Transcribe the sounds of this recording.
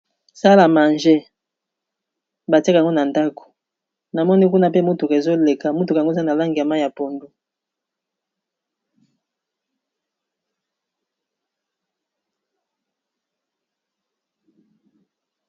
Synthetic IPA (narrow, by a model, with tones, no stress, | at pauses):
sa˦la˨ma˨nʒe˦ | ba˨te˦kŋɡo˦na˨nda˦kʰo̥˨ | na˨mɔ˦ni˦ku˦na˦pe˦mu˦tu˨kzo˦le˨ka˨mu˦tu˨kŋɡo˦˨za˦na˨la˦ŋɡi˨a˨ma˦ja˨po˨ndu˦